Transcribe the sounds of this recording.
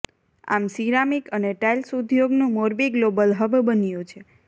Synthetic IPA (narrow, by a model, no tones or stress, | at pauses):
a̰msiɾamikəneʈajlsud̪ʱjoɡnũmoɾbiɡlobəlɦəbbənijũt͡ʃʰe